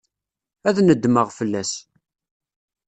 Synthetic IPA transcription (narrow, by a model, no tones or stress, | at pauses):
æðnəd̪ːməʁfəlːæs